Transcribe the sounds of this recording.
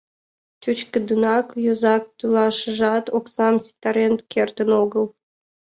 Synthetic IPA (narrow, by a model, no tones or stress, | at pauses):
t͡ɕut͡ɕkə̆d̪ɯnɑkjøzɑk̚t̪ylɑʃə̆ʒɑt̪oksɑmsʲi̥t̪ɑɾent̪kʲʰert̪ənoɡəlˠ